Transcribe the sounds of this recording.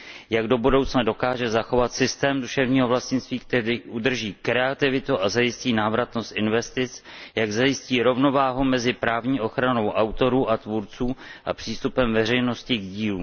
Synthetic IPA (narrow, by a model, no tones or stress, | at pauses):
jaɡdo̞budo̞wt͡snado̞kaːʒɛzaxo̞vat̪sɪst̪ɛːmduʃɛvɲiːɦo̞vlascɪnst̪viːk̚t̪ɛɾiːʔud̪r̩ʒiːkɾɛat̪ɪvɪt̪uʔazajɪsciːnaːvɾat̪no̞st̪ʔɪnvɛst̪ɪt͡sjaɡzajɪsciːɾo̞vno̞vaːɦumɛzɪpɾaːvɲiːʔo̞xɾano̞wʔawt̪o̞ɾuːʔat̪vuɾt͡suːʔa̰pr̝̥iːst̪upɛmvɛrɛjno̞scɪɡɟiːluː